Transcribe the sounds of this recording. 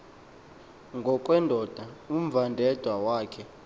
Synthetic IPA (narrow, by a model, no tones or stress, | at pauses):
ŋɡʱɔkʼwɛndʱɔd̥ʱaum̩vandʱɛd̥ʱwawaːkʰɛ